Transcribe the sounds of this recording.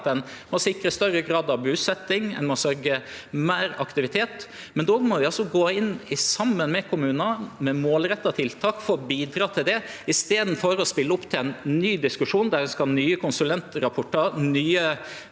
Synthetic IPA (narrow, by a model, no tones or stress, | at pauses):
t̪ɛnmɔsɪkɾəst̪œɾəɡɾɑːd̪ɑʋbʉːsɛt̪ːɪŋɛ̰nmɔsœɾɡəmæːɾɑkt̪ɪʋɪt̪ʰeːt̪ | mɛnd̪oːmɔʋɪɑlsɔɡoːɪnɪsɑmːənmɛkʰʊmʉːnɑmɛmoːlɾɛt̪ːɑt̪ʰɪlt̪ʰɑːkfɔɾɔbiːd̪ɾɑːt̪ʰɪld̪ɛ | ɪst̪eːd̪n̩fɔɾɔspɪlːəʊpːt̪ʰɪlɛnnyːd̪ɪskʉʂuːnd̪æɾskɑlnyːəkʰʊnsʉlɛnt̪ɾɑpʰɔʈːɑnyːə